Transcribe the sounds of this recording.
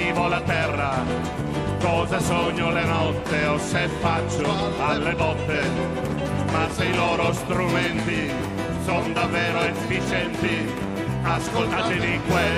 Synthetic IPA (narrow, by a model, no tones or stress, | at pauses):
iːvolat̪ɛrːa | kɔːzasɔɲːolenɔt̪ːeosefːat͡ʃːo | alːebɔt̪ːe | mad̪ejlɔːɾost̪ɾumɛnt̪i | sond̪avːeːɾoefːit͡ʃɛnt̪i | askolt̪aːat̪evikwe